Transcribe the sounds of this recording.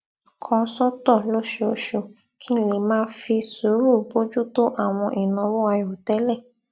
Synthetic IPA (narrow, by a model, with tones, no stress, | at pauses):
kʰɔ̃˧sɔ˦tɔ˦˨lo˦ʃe˧o˦ʃo˧˨ | kʰĩ˦˨le˨mãː˦fi˧su˨˦ɾu˦˨bo˦d͡ʒu˦to˦ʔa˦˨w̃ɔ̃˧ʔi˨nã˧wo˦a˧jo˨tɛ˦lɛ˦˨